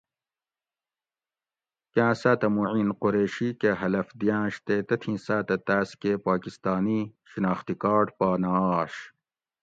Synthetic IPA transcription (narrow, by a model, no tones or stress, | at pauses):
kãːsaːt̪ɐmuʕiːnqoɾeːɕikeɦɐlɐfd̪ijãːɕt̪et̪ɐt̪ʰĩːsaːt̪ɐt̪aːskepaːkist̪aːniɕinaːxt̪ikaːʈpaːnaɕ